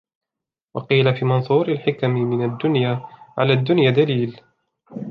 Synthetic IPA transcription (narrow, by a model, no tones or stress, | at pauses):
wɑqiːlafiːmɑnsˤuːɾalħɪkammɪnad̪ːʊnjaːʕalaːd̪ːʊnjaːd̪aliːl